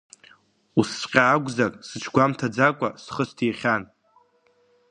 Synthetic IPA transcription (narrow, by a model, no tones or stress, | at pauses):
usːqʲʼaːɡʷzakʼsɨt͡ʃʰɡʷamtʰad͡zakʷʼasχəstʰiχʲan